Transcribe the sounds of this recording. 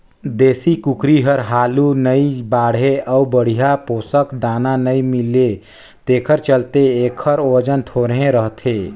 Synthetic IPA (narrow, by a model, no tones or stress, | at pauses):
d̪eːsikukɾiɦəɾɦaːlunəibaːɽ̤ɦeʔəubəɽ̤ijapoːsəkd̪aːnanəimɪle | t̪eːkʰəɾt͡ʃəlt̪eeːkʰəɾod͡ʒənt̪ʰoːɾɦẽɾəɦt̪ʰeː